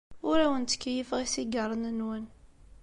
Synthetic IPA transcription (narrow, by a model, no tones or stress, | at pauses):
ʊɾæwənt̪kːjəfʁisiɡərˤːənənwən